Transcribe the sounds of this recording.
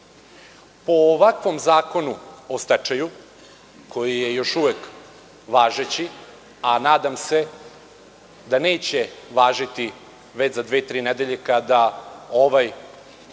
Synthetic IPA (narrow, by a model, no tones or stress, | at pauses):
po̞ːʋakʋo̞mzaːko̞nuost̪at͡ʃaju | kʰo̞jijejo̞ʃuʋek | ʋaːʒet͡ɕi | anaːd̪amse̞ | d̪ane̞ːt͡ɕe̞ʋaːʒit̪i | ʋe̞t͡ɕzad̪ʋet̪ɾiːned̪eʎekad̪aoʋaj